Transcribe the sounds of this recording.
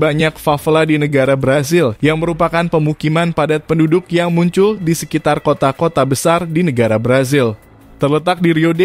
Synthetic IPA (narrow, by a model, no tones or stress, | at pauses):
baɲakfafladinəɡaɾabɾazɪljaŋməɾupakanpəmukimanpadat̪̚pəndudʊk̚jaŋmuɲt͡ʃʊldisəkit̪arkot̪akot̪abəsardinəɡaɾabɾazɪl | t̪ərlət̪ak̚diɾiode